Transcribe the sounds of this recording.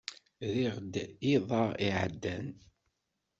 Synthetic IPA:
ðiʁd̪iðˤɑʁiʕə̰d̪ːæn

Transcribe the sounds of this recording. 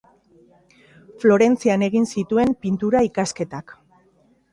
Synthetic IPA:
flo̞ɾe̞nt͡siane̞ɣ̞insit̪ue̞mpint̪uɾaikaske̞t̪ak

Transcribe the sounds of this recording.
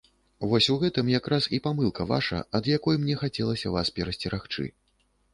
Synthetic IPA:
vɔsʲuɣɛt̪ɨmjakɾasipamɨlˠkɐva̰ʂɐ̰ɐd̪jakɔjmnʲɛxat͡sʲɛlˠɐsʲɐvaspʲɛɾɐsʲt͡sʲɛɾaxt͡ʂɨ̰

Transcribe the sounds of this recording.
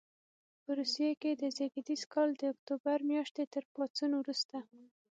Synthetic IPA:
pəɾusijeked̪əzeɡid̪izkɑld̪əʊkt̪obaɾmjɑʃt̪et̪əɾpɑt͡sunowɾust̪a

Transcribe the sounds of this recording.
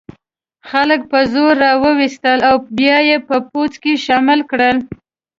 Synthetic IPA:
xalək̚pəzoɾːɑwəwist̪əlawbjɑjepəpot͡skeʃɑmɪlkɽəl

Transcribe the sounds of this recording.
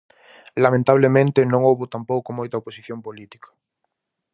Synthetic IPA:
lamẽnt̪aβlemẽnt̪ɪnõŋowβot̪ampowkomojt̪ɐoposiθjompolit̪i̥kɐ̥

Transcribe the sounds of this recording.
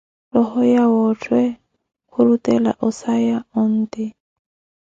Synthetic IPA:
lɔhɔjawɔtʰwɛ | kʰʊɾutɛla̰ʔɔsajaʊn̩ːt̪ɪ

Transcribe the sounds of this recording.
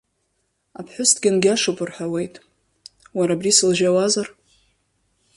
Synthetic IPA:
apʰħʷʊstʰɡʲanɡʲaʂupʼʊrħawe̞jtʼ | waɾabrisɨlʒawazar

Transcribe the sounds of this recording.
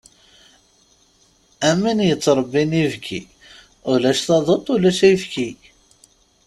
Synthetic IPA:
æminjət͡sːɾˤəbːinivkʰḭ | ulæʃθɑðˤət̪ˤulæʃæjfki

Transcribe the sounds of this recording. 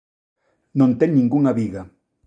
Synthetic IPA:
nõnt̪eŋnĩŋɡuŋaβiɣa

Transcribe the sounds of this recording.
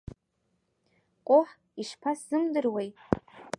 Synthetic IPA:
qʼʊħ | iʂpʰasz̥ɨmdɨrwejt

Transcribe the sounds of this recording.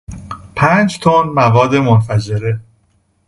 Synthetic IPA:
pʰæːnd͡ʒt̪ʰonmævɒːd̪ːemonfæd͡ʒe̞ɾe

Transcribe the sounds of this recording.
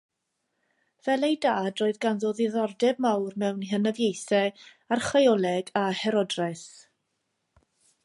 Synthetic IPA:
v̥ɛlˠejdaːdroːɨðɡanðoðɪðɔrdɛbmawrmɛwnɦənəvjejθɛ | arχajɔlˠɛɡahɛɾɔdrɛs

